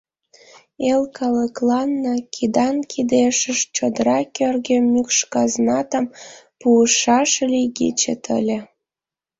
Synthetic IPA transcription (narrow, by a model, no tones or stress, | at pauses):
elkɑləklɑnːɤkʲʰid̪ɑnkʰid̪eʃəʃt͡ɕod̪əɾɑkʲørɣemykʃkɑznɑt̪əmpuəʃɑʃlʲiɣit͡ɕḛt̪ʰə̰lʲĕ